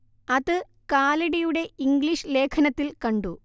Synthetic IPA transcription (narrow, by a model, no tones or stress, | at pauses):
ɐðɨ | kaːliɽɐjuɽe̞iŋɡliʂɨle̞ːkʰɐnɐt̪ːilkɐɳɖu